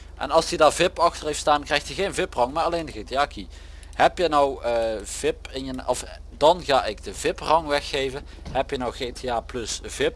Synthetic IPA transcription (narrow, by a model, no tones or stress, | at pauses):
ʔɛ̰nɑlˠsədaːɹvɪpɑxtərɦejftstaːnkrɛjxtjəɣejnvɪprɑŋmaːɹɑlejndəɣetɪaːki | hɛpjənɔwəv̥ɪpɪnjənɔfdɑnɣaːɪɡdəvɪprɑŋʋɛxːejvən | ɦɛpjənɔwɣeːtʰeaːplɵsvɪp̚